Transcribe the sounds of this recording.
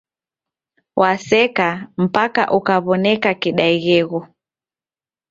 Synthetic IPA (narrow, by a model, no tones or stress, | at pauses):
wʔasɛkam̩paka̰ʔukaβɔnɛkakiɗaiɣɛɣɔ